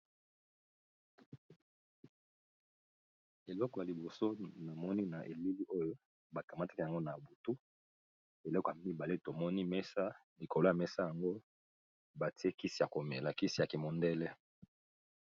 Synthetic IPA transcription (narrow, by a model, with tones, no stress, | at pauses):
e˨lɔ˦kɔ˨ja˨li˨bo˨so˦na˨mɔ˦ni˦na˨ʔe˨li˦li˦ʔo˦jo˦ | ba˨ka˨ma˦tḁ˦ki˨a˨ŋɡo˦na˨bu˨tu˦ | e˨lɔ˦kɔ˨ja˨mi˦ba˨le˦to˨mɔ˦ni˦mɛ˦sa˦li˨ko˨lo˦a˨mɛ˦sa˦ja˨ŋɡo˦ | ba˨ti˦e˦ki˦si˨a˨ko˨me˨la˨ki˦si˨ja˨ki˨mo˨ndɛ˦lɛ˦